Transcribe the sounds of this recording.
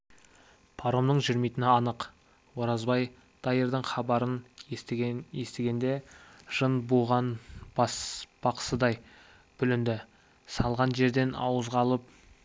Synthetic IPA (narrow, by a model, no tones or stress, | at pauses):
pʰɑɾomnəɴʒʏɾmejt̪ɪnɪɑnəq | wo̞ɾɑzbɑj | d̪̥ɑjəɾd̪əɴχɑbɑɾən | je̞st̪eɡʲe̞nd̪e̞ʒ̥ənbuʁɑn | b̥ɑqə̥səd̪ɑj | b̥ʏlɪnd̪ɪ | sɑlˠʁɑnʒe̞ɾd̪e̞nɑ̰wəzʁɑlˠəp̚